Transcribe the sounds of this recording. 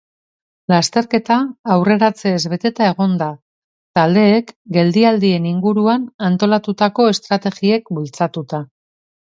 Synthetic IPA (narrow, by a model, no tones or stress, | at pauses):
last̪e̞ɾke̞t̪aːwre̞ɾat͡se̞ːzβe̞t̪e̞t̪ae̞ɣ̞o̞nd̪a | t̪ald̪e̞ːkɡe̞ld̪iald̪ie̞niŋɡuɾuanant̪o̞lat̪ut̪ako̞e̞st̪ɾat̪e̞ɣie̞kbult͡sat̪ut̪a